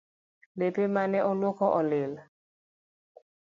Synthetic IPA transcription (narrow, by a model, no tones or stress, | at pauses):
lepemanɛʔɔlwɔkɔʔɔlɪl